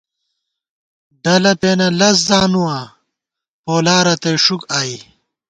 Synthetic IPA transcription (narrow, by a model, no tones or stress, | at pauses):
ɖɐlɐpeːnɐlɐs̬zaːnuwa | poːlaːɾɐt̪eʂukaːi